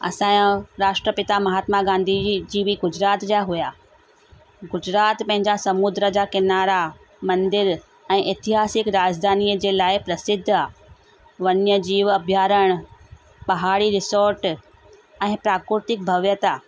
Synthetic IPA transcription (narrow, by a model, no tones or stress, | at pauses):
ɐ̰sãːõɾaːʃʈɾəpɪt̪amɐɦaːt̪maɡãːnd̪ʱid͡ʑiːʋiɡʊd͡ʑɾaːt̪d͡ʑaːɦujaː | ɡʊd͡ʑɾaːt̪pɐ̃ɦɪ̃ɲd͡ʑasɐmud̪ɾəd͡ʑakɪnaːɾa | mɐ̃nd̪ɪɾ | ɛ̃ːʔɪt̪ɪɦaːsɪkɾaːd͡ʑd̪ʱaːnijəd͡ʑeːlaːɪpɾɐsɪd̪ʱːaː | ʋɐnjəd͡ʑiːʋɐbʱjaːɾəɽ̃ | pɐɦaːɽiɾɪsoːɾʈ | ɛ̃ːpɾaːkɾɪt̪ɪk̚bʱɐʋjət̪a